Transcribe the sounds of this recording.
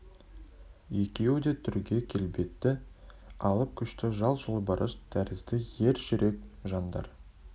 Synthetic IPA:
jekʲejod̪et̪ʰʏɾɡʲe̞kʲʰe̞lbe̞t̪ːɪ | ɑlˠəp̚kʲʰʏʃt̪ɪʒɑlˠʒəlˠbəɾəʃd̪̥ʰæɾɪzd̪ɪje̞ɾʒʏɾe̞kʒɑnd̪ɑ̰ɾ

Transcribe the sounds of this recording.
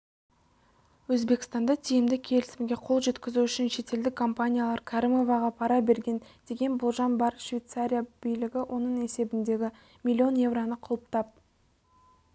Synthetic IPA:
wɵzbe̞kʲɪ̥st̪ɑnd̪ɑt̪ʰijɪmd̪ɪkʲʰe̞lɪsɪmɡʲe̞qʰo̞lˠʒe̞t̪kʲɪzuʏʃɪnʃe̞t̪e̞ld̪ɪkʰːo̞mpanʲijalˠɑɾkʰaɾimo̞vɑʁɑpʰɑɾɑbe̞ɾɡʲe̞nd̪̥e̞ɡʲe̞nbʊlˠʒɑnbɑɾkʃvʲijt̪saɾʲijab̥ijlɪɡʲɪwʔo̞nəɴe̞se̞bɪnd̪e̞ɡʲɪ | mʲilʲːio̞nje̞vronəqʰʊlˠəp̚t̪ɑp̚

